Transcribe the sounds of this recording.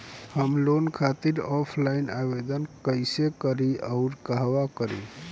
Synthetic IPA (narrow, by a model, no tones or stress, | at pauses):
həmlonkʰat̪iɾɔpʰlainaβed̪ənkəɪsekəɾiəʊɾkəɦʋakəɾi